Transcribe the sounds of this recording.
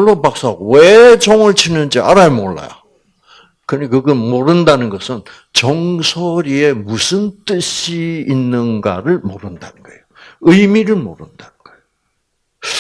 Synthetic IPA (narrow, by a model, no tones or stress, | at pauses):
ɭːopak̚s͈aowet͡ɕoŋɯɭt͡ɕʰinɯnd͡ʑiʔa̰ɾajemoɭːa̰jo | kɯɲikɯɡɯmoɾɯndanɯnɡʌsʰɯn | t͡ɕʌŋsʰoɾie̞musʰɯnt͈ɯɕʰiːnːɯnɡa̰ɾɯɭmoɾɯnda̰nɯnɡ̥ʌejoɯimiɾɯɭmoɾɯndanɯnɡ̥ʌejo